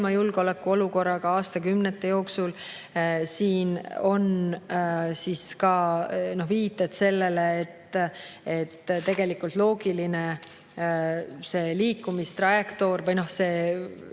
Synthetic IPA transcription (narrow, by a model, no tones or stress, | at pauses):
mɑjulɡ̥o̞lekːˑuo̞luko̞rːɑkɑɑːst̪ɑkymnet̪ːejo̞ːksul | siːno̞n | siskɑno̞hviːt̪ːˑet̪se̞lːe̞leːt̪ːet̪ːt̪e̞ɡ̥e̞likːˑult̪lo̞ːɡ̥iline̞ | se̞ːliːkːˑumist̪rɑjekt̪o̞ːrvɤjno̞hseː